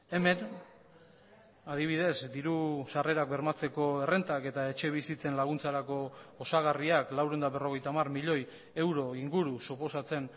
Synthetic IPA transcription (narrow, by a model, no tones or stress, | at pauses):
e̞me̞n | aðiβ̞iðe̞zd̪iɾusare̞ɾak̚be̞ɾmat͡se̞ko̞e̞re̞nt̪ake̞t̪ae̞t͡ʃe̞β̞isit͡se̞nlaɣunt͡saɾako̞osaɣ̞ariaklawɾo̞nd̪aβe̞ro̞ɣ̞e̞jt̪amarmiʎo̞j | e̞wɾo̞iŋɡuɾusupo̞sat͡se̞n